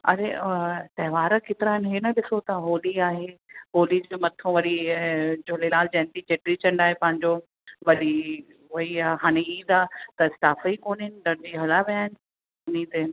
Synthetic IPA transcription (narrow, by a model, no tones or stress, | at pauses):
ɐ̰ɾet̪ɐɦɪʋaːɾəkɪt̪ɪɾaːɪnɦenɐɗɪsot̪aɦoːliaːɦeɦoːlid͡ʑemɐt̪ʰõʋɐɾid͡ʑoːlelaːld͡ʑɛ̃ːnt̪it͡ɕeːʈɾit͡ɕɐ̃ɳɖaːɦepɐ̃ɦɪ̃ɲd͡ʑo | ʋɐɗi | ɦɐiaɦaːñeiːd̪aːt̪ɐɪst̪aːfəikoːnɦɪnɪ̆ɖɐɽd͡ʑiɦɐlaʋijaːɦɪnɪ | ʊnid̪en